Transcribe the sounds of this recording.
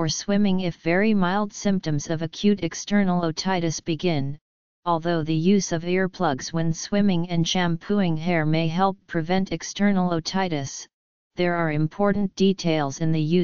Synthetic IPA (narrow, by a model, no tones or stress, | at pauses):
ə˞swɪ̃mɪ̃ŋɪfvɛɹimaɪlˠd̥sɪ̃mp̚tɨ̃mzʌvɨkʰj̥ʉɾɨkstʰɜ˞nl̩ˠoʊtʰaɪɾɨsb̥ɨɡɪ̃n | ɔlˠðoʊðɨjʉzʌvɪɹpʰl̥ʌɡz̥wɨ̃nswɪ̃mɪ̃ŋɨ̃nʃæ̃mpʰuɪ̃ŋɦɛɹmeɪɦɛlˠpʰːɹ̥ɨvɛ̃ntɨkstɜ˞nl̩ˠoʊtʰaɪɾɨs | ðə˞ə˞ɨ̃mpʰɔɹʔn̩d̥itʰeɪlˠzɨ̃nðɨjʉ